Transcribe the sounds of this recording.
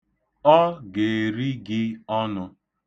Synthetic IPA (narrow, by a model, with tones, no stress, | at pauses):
ɔ˦ɡe˨ɾi˦ɡɪ˦ɔ˦nʊ˦